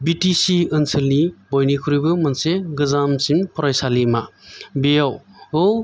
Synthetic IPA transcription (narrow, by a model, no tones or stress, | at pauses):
bitisiɯnsɯlnibɔjnikʰuɾijbɯmɐnseɡɯzamsimpʰɔɾajsalimabejawow